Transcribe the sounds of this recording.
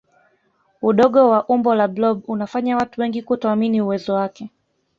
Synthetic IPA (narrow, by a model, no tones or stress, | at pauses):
uɗɔɠɔwaʔumbɔlablɔɓunafaɲawatuwɛŋɡikutɔaminiuwɛzɔwakɛ